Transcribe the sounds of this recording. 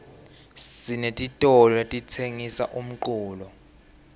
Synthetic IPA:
sinetʼitʼɔlɔetʼit͡sʰeŋisa̰ʔum̩ǃuːlɔ

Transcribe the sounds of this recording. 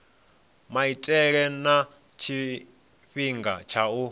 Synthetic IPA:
maitʼɛɺɛna | t͡ʃʰi | ɸiŋɡa̰t͡ʃʰau

